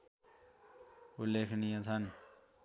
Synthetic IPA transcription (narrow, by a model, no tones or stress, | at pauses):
ulekʰnijat͡sʰʌn